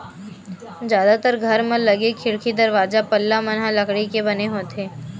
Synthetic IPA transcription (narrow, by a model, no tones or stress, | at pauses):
zjaːd̪at̪əɾɡʱɐɾmẽlɐɡekʰɪɽkʰid̪ɐɾʋaːzapɐlːamɐnɦalɐkɽikebɐneɦoːt̪ʰeː